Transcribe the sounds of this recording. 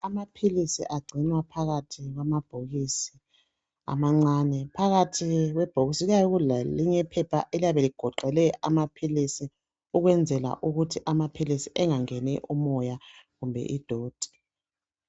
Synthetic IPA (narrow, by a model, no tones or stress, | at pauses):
amapʰilisḭʔaɡ͡ǀʱinwapʰaɣatʰiɣwamab̥ʱoɣisi̥ | a̰maŋ͡ǀaːnɛpʰaɣatʰiɣwɛb̥ʱoɣisiɣajɔɣulaliɲɛpʰɛpʰaʔelijaβɛliɡ̥ʱɔǃɛlɛʔamapʰilisi | uɣwɛnd͡zʱɛla̰ʔuɣutʰiʔamapʰilisiʔɛŋaŋɛnɛʔumɔjaɣumbʱɛ̰ʔid̥ʱoːd̥ʱi̥